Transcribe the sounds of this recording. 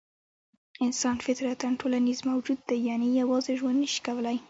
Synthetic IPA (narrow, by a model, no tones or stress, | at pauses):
ɪnsɑnfɪt̪ɾat̪anʈʰolanizmawd͡ʒud̪ːajɑnejawɑzeʒwand̪nəʃi̥kawəlaj